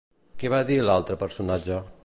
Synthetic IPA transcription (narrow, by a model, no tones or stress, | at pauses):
kɛβaðilalˠt̪ɾəpəɾsunad͡ʒə